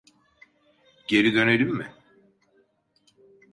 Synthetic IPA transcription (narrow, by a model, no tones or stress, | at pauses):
ɟe̞ɾid̪ø̞nelʲimːɪ